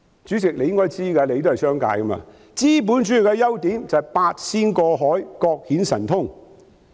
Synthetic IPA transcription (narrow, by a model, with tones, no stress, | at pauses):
t͡ʃyː˨˥t͡sɪ˨k̚le˨˧jɪ˥ŋkɔː˥jt͡siː˥kɐː˧le˨˧jt̪o˥hɐ˨˩jsœː˥ŋka̰ː˨˧jkɐ˥ma̰ː˧ | t͡siː˥p̬uː˨˥nt͡ʃyː˨˥jkɛ˧jɐ˥wt̪iː˨˥nt͡sɐ˨jpaː˧t̚siː˥nkɔː˧ɦɔː˨˥jkɔː˧k̚hiː˨˥nsɐ˨˩nt̪ʰʊ˥ŋ